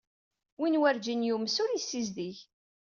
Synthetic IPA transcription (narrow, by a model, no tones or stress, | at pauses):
winwæɾd͡ʒinjumsʊɾisːizd̪iç